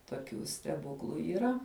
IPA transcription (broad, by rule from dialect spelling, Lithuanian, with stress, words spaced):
toːˈkʲuː sʲtʲɛˈbʊklˠʊ iːˈrɐ